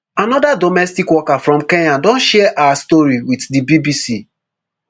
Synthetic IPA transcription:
anɔdadɔmɛstikwɔkafɾɔ̃mkeɲadɔ̃nʃɛʔawastɔɹiwitdibibisi

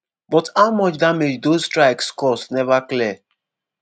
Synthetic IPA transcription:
bɔthaʊmɔt͡ʃdamed͡ʒdostɹaɪkskɔsnɛvaklɛ

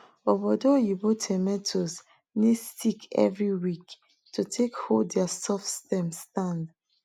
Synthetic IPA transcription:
ovadojubotʰɛmɛtʰos | nesikɛ̰vɹiwik | tʰutʰekhodɛasɔfstɛ̃mstãnd

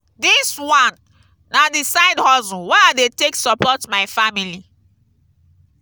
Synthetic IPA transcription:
diswãnː | adisaɪdhɔzɔ̃waɪadeteksɔpɔtmaɪfamili

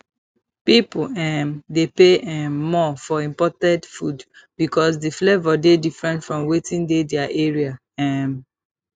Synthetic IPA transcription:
pipɛ̃mdepeɛmːɔfɔĩmpɔtɛ̃dfud | b̥ikɔs̬diflevɔdedifɹɛ̃ntfɹɔ̃mwetĩndedɛaʔeɹia | ɛ̃m

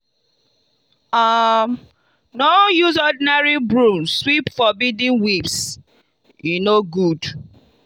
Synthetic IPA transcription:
am | nɔjuzɔdinaɹibɹũmswipfɔbidĩnwips | jinoɡud

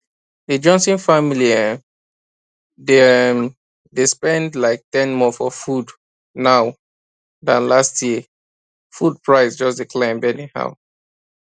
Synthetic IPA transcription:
ðəd͡ʒɔ̃nsĩnfamiliɛ | d | despɛ̃ndlaɪk̚tɛ̃nmɔfɔfud | naʊ | ðãnlastʰjiə | fud̚pʰɹaɪsd͡ʒʌsdikʰlãɪ̃mbɛniha̰ʊ

